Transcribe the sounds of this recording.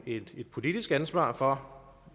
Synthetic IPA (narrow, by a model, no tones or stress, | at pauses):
e̝d̥e̝d̥̚pʰo̝lid̥isɡ̥ænsʋɑ̰̈ːfɒ̽